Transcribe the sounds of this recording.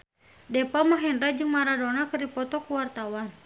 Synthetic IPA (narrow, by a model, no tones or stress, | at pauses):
dɛpamaɦɛndɾad͡ʒɨŋmaɾadɔnakɨrdipɔt̪ɔkuwart̪awan